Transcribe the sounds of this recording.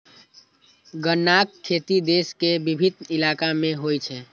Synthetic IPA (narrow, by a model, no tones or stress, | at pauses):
ɡənːakkʰːet̪id̪eskebibʱid̪nilakamẽɦojt͡ʃʰɛ